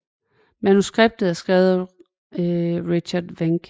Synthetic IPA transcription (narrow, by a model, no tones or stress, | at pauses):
mænusɡ̥ʁeb̥̚d̥ð̩ˠæɐsɡ̥ʁɛʊð̩ˠ | ʁiɕɐd̥ʋeŋɡ̥